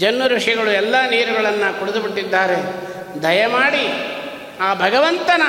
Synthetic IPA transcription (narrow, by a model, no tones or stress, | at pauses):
d͡ʒɐnːuɾɐʂjɐɡɐɭuɛlːɐniːɾuɡɐɭɐnːɐkuɽud̪ubiʈːid̪ːaːɾe̞ | d̪ʱɐjɐmaːɽi | aːbʱɐɡɐʋɐnt̪ɐnɐ